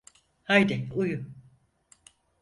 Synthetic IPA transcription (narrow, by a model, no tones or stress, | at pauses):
hajd̪ɛuju